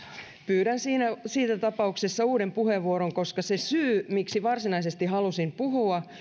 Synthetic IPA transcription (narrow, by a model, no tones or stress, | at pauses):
pyːɾænsiːnæsiːt̪æt̪ɑpɑuksesːɑuːdempuheʋːuoɾoŋko̞skɑsesyːmiksiʋɑrsinɑisest̪iɦɑlusimpuɦuɑ